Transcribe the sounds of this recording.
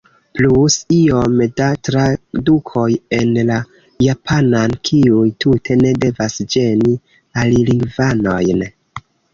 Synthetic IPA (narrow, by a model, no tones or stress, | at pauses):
plusio̞mdatɾadukʰo̞je̞nla | japʰanankʰiujtʰutʰe̞ne̞de̞vasd͡ʒe̞ni | aliliŋɡvano̞jn